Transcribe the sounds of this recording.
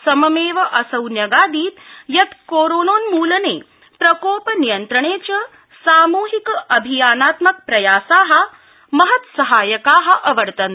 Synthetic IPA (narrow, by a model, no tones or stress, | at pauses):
sɐmɐmeːʋɐʔɐsɐwnjɐɡaːd̪iːt̪jɐt̪koːɾoːnoːnmuːlɐneː | pɾɐkoːpɐnijɐnt̪ɾɐɳeːt͡ʃɐ | saːmuːɦikɐbʱijaːnaːt̪mɐk̚pɾɐjaːsaːɦɐ̆ | mɐɦɐt̪sɐɦaːjɐkaːɦɐ̆ʔɐʋɐɾt̪ɐn